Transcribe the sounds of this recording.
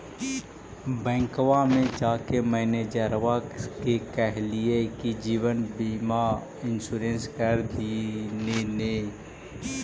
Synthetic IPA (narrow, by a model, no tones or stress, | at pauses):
bɛ̃ːŋkʋamẽd͡ʒaːkemɛ̃ːned͡ʒəɾʋakekɛɦliekid͡ʒiːwənbiːma | ɪnsuːɾẽːnskəɾd̪inene